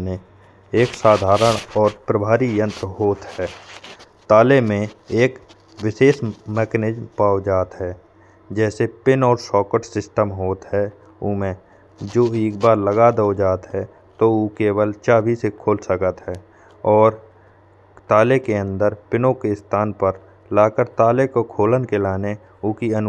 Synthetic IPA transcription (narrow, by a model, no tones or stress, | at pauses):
nẽ | eːksaːd̪ʱaːɾəɽ̃ɔːɾpɾəbʱaːɾijə̃nt̪ɾəɦoːt̪hɛː | t̪aːlemẽeːk | wɪʃeːsmɛːkned͡ʒmpaːod͡ʒaːt̪ɦɛː | d͡ʒɛːsepɪnɔːɾsɔːkəʈsɪsʈəmɦoːt̪ɦɛ | ʊmẽ | d͡ʒoːeːk̚baːɾləɡad̪eod͡ʒaːt̪ɦɛ | t̪oukeːwəlt͡ʃaːbʱisekʰoːlsəkət̪ɦɛː | ɔːɾ | t̪aːlekeə̃nd̪əɾpɪnokest̪ʰaːnpəɾ | laːkəɾt̪aːlekokʰoːlənkelaːne | ʊkiən